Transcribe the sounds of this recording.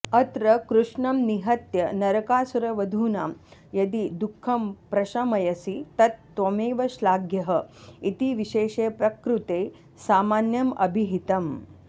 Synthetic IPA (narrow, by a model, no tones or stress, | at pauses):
ɐt̪ɾɐkɾuʂɳɐmniɦɐt̪jɐnɐɾɐkaːsuɾɐʋɐd̪ʱuːnaːmjɐd̪id̪ukʰːɐmpɾɐʃɐmɐjɐsit̪ɐt̪ːʋɐmeːʋɐʃlaːɡjɐɦɐit̪iʋiʃeːʃeːpɾɐkɾut̪eː | saːmaːnjɐmɐ̰bʱiɦit̪ɐm